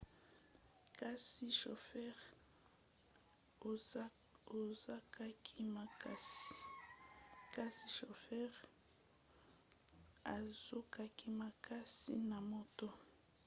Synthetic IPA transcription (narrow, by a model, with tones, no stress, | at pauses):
ka˦si˦ʃo˨fɛ˦ʁ | o˨za˦ka˦kʰi˦ma˨ka˦s | ka˦si˦ʃo˨fɛ˦ʁ | a˨zo˦ka˦ki˦ma˨ka˦sḭ˦na˨mo˨to˦